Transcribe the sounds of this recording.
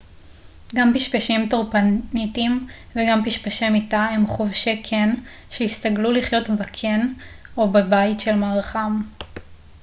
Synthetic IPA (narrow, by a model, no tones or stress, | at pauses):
ɡampiʃpaʃimtoʁpanitim | veɡampiʃpaʃemitaemχovʃekʰen | ʃeist̪aɡluliχjo̞tbakʰen | obebaitʃelmaʁχam